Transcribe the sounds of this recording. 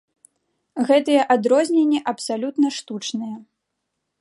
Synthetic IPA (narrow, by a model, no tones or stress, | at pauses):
ɣɛt̪ɨjɛʔad̪ɾɔzʲnʲenʲːiʔɐpsalʲut̪nɐʂt̪ut͡ʂnɨjɐ